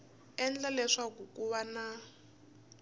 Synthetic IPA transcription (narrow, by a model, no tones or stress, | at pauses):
ɛnd͡ɮalɛʂakukʼuβana